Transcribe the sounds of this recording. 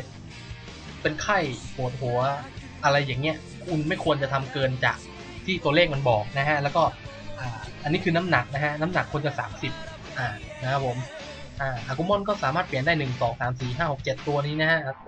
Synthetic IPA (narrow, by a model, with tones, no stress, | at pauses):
pe˧nkʰa˥˩jpʰu˨˩t̪̚hu˩˦ɐ | ʔa˧ɾa˧jːaː˨˩ŋːni˦˥ɐ | kʰu˧˩nma˥˩jkʰu˧ənt͡ɕa˨˩t̪ʰa˧mkɤː˧nt͡ɕa̰ː˨˩k̚ | t̪ʰiː˥˩t̪u˧ɐleː˥˩k̚ma˧nbɔː˨˩k̚na˦˥kʰa˦˥ʔlɛː˦˥wkɔː˥˩ | ʔaː˨˩ʔa˧nːiː˦˥kʰɯː˧na˦˥mna˨˩k̚na˦˥kʰa˦˥ʔna˦˥mna˨˩kʰːu˧ənt͡ɕa˨˩ksaː˩˦msi˨˩p̚ | ʔaː˨˩ | na˧˥kʰa˦˥pʰo˨˩˦m | ʔaː˧˩ʔaː˨˧˩ku˧˩mɔ˥˨nk̬ɔː˥˩saː˨˦maː˥˩t̪pi˨˩əndaː˥˩jnɯ˨˩ŋsɔː˩˦ŋsaː˩˦msiː˨˩ɦaː˥˩ho˨˩k̚t͡ɕe˨˩t̪ːu˧ɐniː˦˥na˦˥hʰa˦˥ʔ